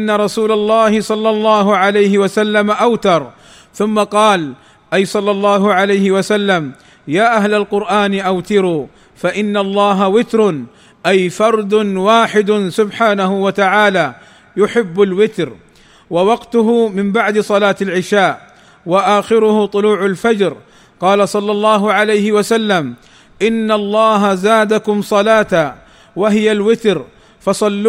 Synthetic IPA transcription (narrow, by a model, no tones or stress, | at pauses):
ʔanːaɾˤɑsuːlalˤːɑːhɪsˤɑlːɑlˤːɑːɦʊʕalajhɪwasalːamaʔawt̪ɑɾˤ | θʊmːaqɑːl | ʔajsˤɑlːɑlˤːɑːɦʊʕalajhɪwasalːam | jaːʔaɦlalqʊɾʔaːnɪʔawt̪ɪɾuː | faʔɪnːalˤːɑːɦawɪt̪ɾʊ | ʔajfɑɾˤd̪ʊwaːħɪd̪ʊsʊbħaːnahʊwat̪aʕaːlaː | jʊħɪbːalwɪt̪ɾ | wawɑqt̪ʊɦʊmɪmbaʕd̪ɪsˤɑlaːt̪alʕɪʃaːʔ | waʔaːxɪɾʊhʊt̪ˤʊluːʕalfad͡ʒɾ | qɑːlasˤɑlːɑlˤːɑːɦʊʕalajhɪwasalːam | ʔɪnːalˤːɑːɦazaːd̪akʊmsˤɑlaːt̪a | waɦɪjalwɪt̪ɾ | fɑsˤɑlː